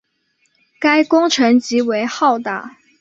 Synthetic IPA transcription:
ka˥ɪkʊ˥ŋʈ͡ʂʰɤ˧˥ŋt͡ɕi˧˥we˧˥ɪxɑ˥˩ʊt̪a̰˨˩˦

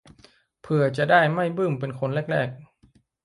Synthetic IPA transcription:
pʰɯ˧˩ɐt͡ɕa˨˩ʔdaː˥˩jma˥˩jbɯː˥˩mpe˧nkʰo˧nlɛ˥˩k̚ɾɛː˥˩k̚

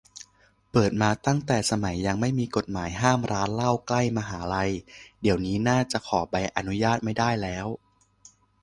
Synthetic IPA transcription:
pɤː˨˩t̪̚maː˧t̪a˥˩ŋt̪ɛː˨˩sa˧ma˩˦jːa˧ŋma˥˩jmiː˧ko˨˩t̪̚maː˩˦jɦaː˥˩mɾaː˦˥nla˥˩wkla˥˩jmaː˧ɦaː˩˦ɾa˧jdi˨˩˦əwniː˦˥naː˥˩t͡ɕa˨˩kʰɔː˩˦ba˧jʔa˧nu˦˥jaː˥˩t̪̚ma˥˩jdaː˥˩jlɛː˦˥w

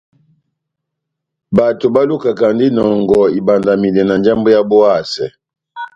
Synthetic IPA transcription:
ba˨to˨ba˦lu˦ka˨ka˨ndi˦nɔ˨ŋɡɔ˨i˨ba˨nda˨mi˨lɛ˨na˨nd͡ʒa˦mbo˦ja˦bo˦a˦˨sɛ̰˨

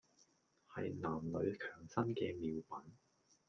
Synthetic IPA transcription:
hɐ˨jnaː˨˩mlɵ˨˧ɥkʰœː˨˩ŋsɐ˥nkɛː˧miː˨˧wpɐ˨˥n

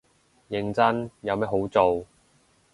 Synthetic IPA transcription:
jɪ˨˧ŋt͡sɐ˥njɐ˨˧wmɐ˥ɦo˨˥wt͡so˨w

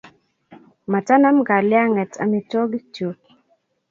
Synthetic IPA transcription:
ma˨ta˦na˦mɡa˨lja˦ŋɛ˨ta̰˨mi˨tɔ˦ɡi˦t͡ʃo˨

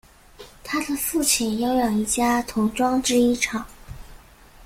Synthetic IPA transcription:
t̪ʰa˥d̪ə˨fu˥˩t͡ɕʰi˨˩njɑ˥ʊjɑ˨˩i˧˥˩t͡ɕja˥t̪ʰʊ˧˥ŋʈ͡ʂwɑ˥ŋʈ͡ʂɻ̩˥i˥ʈ͡ʂʰɑ˨˩˦ŋ

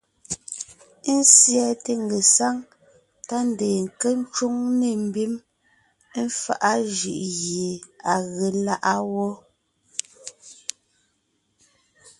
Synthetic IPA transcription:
n̩˦sjɛ˨te˨ŋ˨ɡe˨sa˦ŋ | ta˦n˨deː˨ŋ̩˨ke˦n˦t͡ʃo˦ŋne˨m̩˨bi˦m˦ | m̩˦fa̰˦ʔa˦ʒʉ̰˨ʔɣje˨a˨ɣe˨la˦ʔa˦wɔ˦

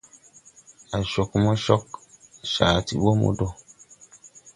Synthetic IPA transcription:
a˨ʃo˨kmɔ˦ʃɔ˦kʃaː˨tḭ˨wo˦mo̰˦dɔ˦˨

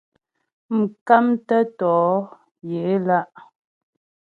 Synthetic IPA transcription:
m̩˨ka˦mtə˦tɔː˨˦ | je˨˦la˦ʔ

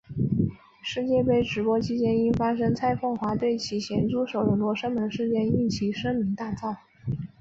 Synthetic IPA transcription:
ʂɻ̩˥˧t͡ɕjɛ˥˩pe˥˩ɪʈ͡ʂɻ̩˧˥pwɔ˥t͡ɕʰi˥t͡ɕjɛ˥ni˥nfa˥ʂ̬ɤ˥ŋt͡sʰa˥ɪfɤ˥˩ŋxwa˧˥t̪we˥˩ɪt͡ɕʰi˧˥ɕjɛ˧˥nʈ͡ʂu˥ʂo˨˩ʊd̪ə˩lwɔ˥˩ʂɤ˥ŋmə˧˥nʂɻ̩˥˧t͡ɕjɛ˥˧ny˥˩t͡ɕʰi˧˥ʂɤ˥ŋmi˧˥ŋt̪a˥˧t͡sɑ˥˩ʊ

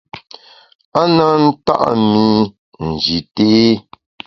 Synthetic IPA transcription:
a˦na˦n̩˦ta̰˦ʔmi˦ | n̩˨d͡ʒi˨te˦

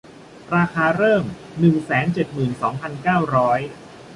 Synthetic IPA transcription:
ɾaː˧kʰaː˧ɾɤː˥˩m | nɯ˨˩ŋsɛː˩˦nt͡ɕe˨˩t̪̚mɯː˨˩nsɔː˩˦ŋpʰa˧nkaː˥˩wɾɔː˦˥j

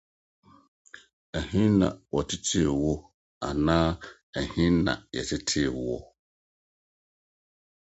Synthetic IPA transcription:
ɛ˨hĩ˦nã̰˨wɔ˨tɪ˦tʰi˦˨wɔ˦ | a̰˨nãː˦ | ɛ˨hĩ˦nnã̰˨jɛ̰˨tʰɪ˦tʰi˦e˨wɔ˦

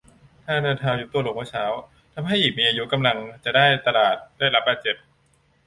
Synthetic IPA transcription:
t̪ʰaː˥˩nɯː˧t̪ʰaː˧wju˨˧˩t̪u˧˩ɐlo˨˩ŋmaː˧˥˦sʰaː˩˦w | t̪ʰa˧mɦa˥˩jʔiː˨˩k̚miː˧ʔaː˧ju˦˥ka˧mla˧ŋt͡ɕa˨˩daː˥˩jt̪a˧laː˨˩t̪̚d̥aː˥˩jla˦˥p̚baː˨˧t̪̚t͡ɕe˨˩p̚

